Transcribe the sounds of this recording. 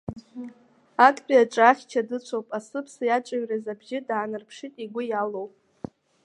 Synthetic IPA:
akʼbʲʼiaʈ͡ʂʼaχʲt͡ʃʰadɨt͡ɕʷʰowpʼasɨpʰsɨjaʈ͡ʂʼaɥrazabʒʲɪdaːnɨrpʰʂɨtʼiɡʷʊjalowpʼ

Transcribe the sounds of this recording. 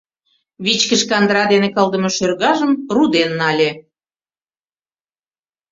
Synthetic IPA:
βit͡ɕkəʃkɑnd̪ɾɑd̪enekəld̪ə̆moʃørɣɑʒəmrud̪enːɑlʲe

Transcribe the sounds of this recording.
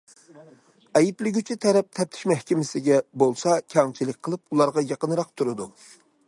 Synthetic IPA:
ɛjiplɪɡʲyt͡ʃʰit̪ʰɛɾɛp̚t̪ʰɛp̚t̪ʰɪ̥ʃmɛhkʲɪmɪsɪɡʲɛbolˠsɑkʲʰɑŋt͡ʃʰilɪk̚ʲqʰəlˠɨpulˠɑɾʁɑjɑqənɾɑq̚t̪ʰuɾɨd̪u

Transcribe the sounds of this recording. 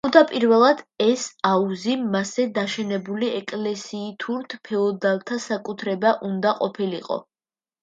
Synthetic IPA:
ud̪apʼiɾvɛlˠad̪̥ɛsauzimasɛd̪aʃɛnɛbuliɛkʼlɛsiːt̪ʰuɾt̪ʰpʰɛɔd̪alˠt̪ʰasakʼut̪ʰɾɛbaʔund̪aqʼɔpʰiliqʼɔ̰

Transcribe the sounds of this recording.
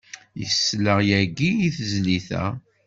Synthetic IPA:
jəsːləʁjæɡiiθzliθæ̰

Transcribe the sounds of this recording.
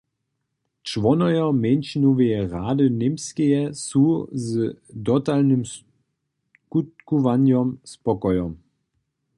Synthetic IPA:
t͡ʃʋɔnɔjɔmɛnʃinɔvejɛʁaːdənemskɛjɛsuzd̪ɔt̪alnəms | kut̪̚kuvanjɔmspɔkɔjɔm

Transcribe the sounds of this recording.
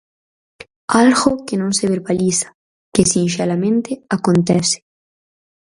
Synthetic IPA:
alɣokenõnseβeɾbalisḁ | kesinʃeɾamẽnt̪eakont̪ɛse̥

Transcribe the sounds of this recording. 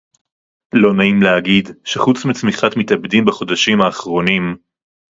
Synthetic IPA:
lo̞naimleaɡidʃeχut͡smit͡smiχat̪mit̪abd̪imbaχo̞d̪aʃimaːχʁo̞nim

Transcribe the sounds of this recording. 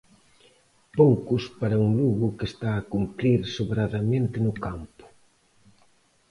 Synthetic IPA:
poŋkʊspaɾɐuŋluɣʊkest̪aːkumpɾiɾsoβɾaðamẽnt̪ɪnʊkampʊ̥

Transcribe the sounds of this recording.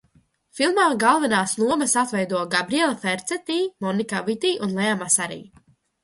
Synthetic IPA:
filˠmaːɡalˠvɛnaːsnˠuɔmɐsat̪vɛjd̪uɔɡabɾiɛlˠafɛɾt̪sɛt̪iːmɔnikavit̪iːʔunlˠɛamasaɾḭː

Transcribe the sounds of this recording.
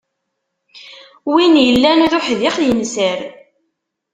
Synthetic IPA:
winjəlːænʊɾʊħðɪχjəmsəɾ

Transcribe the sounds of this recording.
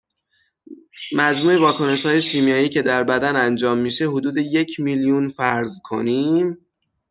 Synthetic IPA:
mæd͡ʒmuːevɒːkʰo̞ne̞ʃhɒːje̞ʃiːmijɒːjiːcʰe̞d̪æɾbæd̪ænænd͡ʒɒːmːiːʃe̞ɦod̪uːd̪e̞je̞cʰmiljunfæɾzkʰo̞̰niːm

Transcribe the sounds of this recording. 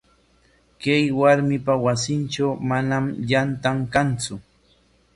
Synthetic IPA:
kajwaɾmɪpawasɪnt͡ʃawmanamʎant̪aŋkant͡sʊ

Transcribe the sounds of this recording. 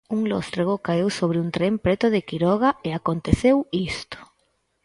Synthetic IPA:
uŋlo̰st̪ɾeɣokaewsoβ̞ɾɪunt̪ɾempɾɛt̪ʊðɪkiɾɔɣ̞aeakont̪eθewist̪o̥

